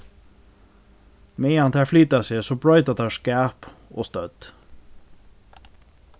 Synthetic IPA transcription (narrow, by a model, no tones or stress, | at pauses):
meɪːɑnt̪ʰæːflyːt̪ɑseːsoːbɹœʏt̪ɑt̪ɑːskæːpo̰ːst̪œt̪